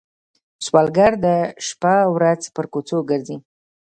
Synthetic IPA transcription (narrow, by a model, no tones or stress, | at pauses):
swɑlɡaɾd̪əʃpawɾad͡zpəɾkot͡soɡəɾzi